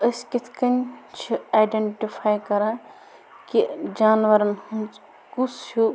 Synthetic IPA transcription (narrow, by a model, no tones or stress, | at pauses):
ɐskit̪ʰkɐnt͡ʃʰiajɖeɳʈifʰaːjkɐɾãː | kid͡ʒaːnʋɐɾɐnhũnt͡s | kusu